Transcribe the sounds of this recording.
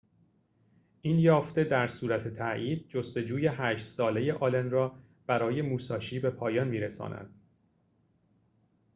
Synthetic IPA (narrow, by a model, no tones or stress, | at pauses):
ʔiːnjɒːft̪e̞d̪æɾsuːɾæt̪ʰe̞t̪ʰæʔiːd̪̚d͡ʒost̪e̞d͡ʒuːje̞ɦæːʃt̪sɒːle̞je̞ʔɒːlenrɒː | b̥æɾɒːje̞muːsɒːʃiːbe̞pʰɒːjɒnmiːɾesɒ̰ːnæ̰nd̪̥